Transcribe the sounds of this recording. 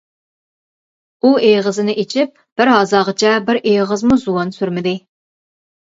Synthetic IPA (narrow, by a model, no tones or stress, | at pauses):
uejʁəzɨnɪʔet͡ʃʰip̚b̥ɪɾɦɑzɑːʁət͡ʃʰɛbɪɾʔejʁəzmuzuwɑnsyɾmɪd̪ɪ